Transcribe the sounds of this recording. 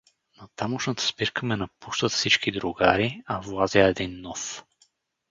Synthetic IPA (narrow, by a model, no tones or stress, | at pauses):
nɐt̪amoʃnət̪ə̥spiɾkʰəmɛnɐpuʃt̪ət̪fsit͡ʃkid̪ɾʊɡaɾiɐvlˠazjaɛd̪inːɔf